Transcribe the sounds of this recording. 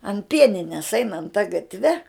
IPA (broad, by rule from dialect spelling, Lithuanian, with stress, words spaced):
ɐn ˈpʲiɛnʲɪnʲɛs ˈɛɪnɐnt tɐ ɡɐtʲˈʋʲɛ